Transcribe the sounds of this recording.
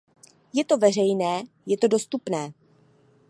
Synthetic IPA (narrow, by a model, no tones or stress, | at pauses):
jɛt̪o̞vɛr̝ɛjnɛː | jɛt̪o̞do̞st̪upnɛː